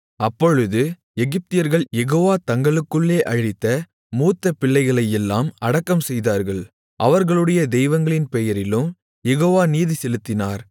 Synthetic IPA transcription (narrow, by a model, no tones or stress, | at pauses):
ɐpːɔɻɯðɯ | ɛɣɪp̚t̪ɪjɐɾɣɐɭjɛɣoːʋaːt̪ɐŋɡɐɭɯkːɯɭːeːʔɐɻɪt̪ːɐ | muːt̪ːɐpɪɭːɐɪɣɐɭɐjɛlːaːmɐɽɐkːɐmsɛjðaːɾɣɐɭ | ʔɐʋɐɾɣɐɭɯɽɐjɐd̪ɛjʋɐŋɡɐɭɪnpɛjɐɾɪlɯm | jɛɣoːʋaːniːðisɛlɯt̪ːɪnaːɾ